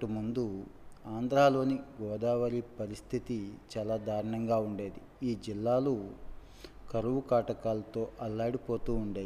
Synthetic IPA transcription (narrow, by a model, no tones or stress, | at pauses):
ʈumund̪uaːnd̪ɾaːlo̞ːniɡɔːd̪aːʋɐɾipɐɾist̪ʰit̪it͡ʃaːlaːd̪ʱaːɾɐɳɐŋɡaːuɳɖe̞ːd̪i | iːd͡ʒilːaːlu | kɐɾuʋukaːʈɐkaːlɐt̪o̞ːʔɐlːaːɽipoːt̪uːɳɖeː